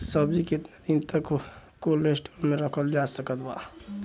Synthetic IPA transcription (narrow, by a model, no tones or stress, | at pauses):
səbd͡ʒikɪt̪nad̪int̪əkkolesʈolmẽɾəkʰəld͡ʒaːsəkət̪baː